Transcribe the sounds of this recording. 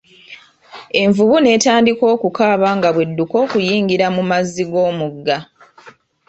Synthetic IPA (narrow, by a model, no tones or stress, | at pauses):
e̞ɱvuβune̞ːtaːndiko̞ːkukaːβaŋɡaβwe̞dːuko̞ːkujiːŋɡiɾamumazːiɡo̞ːmuɡːa